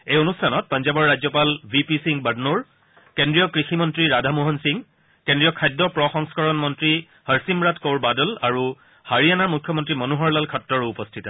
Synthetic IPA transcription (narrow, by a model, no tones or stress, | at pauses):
ejonustʰanɔt̚pɔnzabɔɹːazɔpalbʱipisiŋbədnuɹ | kendɹijɔkɹiximɔntɹiɹadʱamoɦɔnsiŋ | kendɹijɔkʰajdːɔpɹɔxɔŋskɔɹɔnmɔntɹi | həɹsimɹatkoɹbadɔlaɹu | haɹianaɹmukʰjɔmɔntɹimɔnuɦɔɹlalkʰɔtːɔɹuupɔstʰitɔ